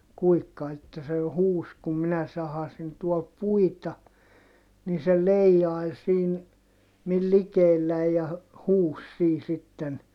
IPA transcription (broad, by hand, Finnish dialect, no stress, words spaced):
kuikːɑ etːæ se jo huːs kum minæ sɑhɑsin tuol puitɑ ni se leijːɑi̯l siːn mil likeːlːæi̯j jɑ hu huːs siː sitːen